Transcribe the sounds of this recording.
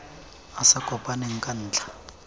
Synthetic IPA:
asakɔpʼaneŋ̩kʼan̩ːt͡ɬʰʼḁ

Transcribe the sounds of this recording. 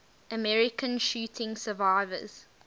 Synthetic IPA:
əmɛɹɪkʰə̃nʃʉːtʰɪ̃ŋsəvaɪvə̰z̥

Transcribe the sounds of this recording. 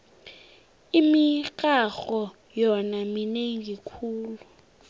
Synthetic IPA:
imikʼaxɔ | jɔnamineŋikʰuːlu

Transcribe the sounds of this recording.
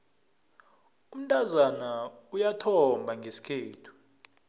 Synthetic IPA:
um̩tʼazanaujatʰɔmbʱaŋɡʱesi̥kʰeːtʰu̥

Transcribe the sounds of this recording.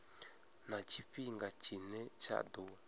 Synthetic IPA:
nãt͡ʃiɸiŋɡat͡ʃinɛ̃t͡ʃʰa̰ʔd̪o

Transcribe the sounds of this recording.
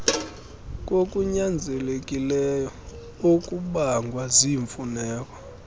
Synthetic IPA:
k̬ʼokʼuɲand͡zʱɛlekʼilɛjɔ | okʼuɓaŋɡʱwaziɱfunɛːk̬ʼwɔ

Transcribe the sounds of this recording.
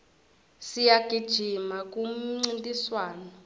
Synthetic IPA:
sijaɡ̥ʱid̥ʒ̥ʱimak̬ʼum̩ŋ͡ǀintʼiswaːnɔ

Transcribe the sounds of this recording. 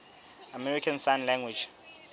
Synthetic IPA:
amɛɹikʰãnsanlɛ̃ŋɡwid͡ʒ

